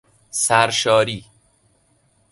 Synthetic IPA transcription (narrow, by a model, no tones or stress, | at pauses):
sæɾʃɒːɾiː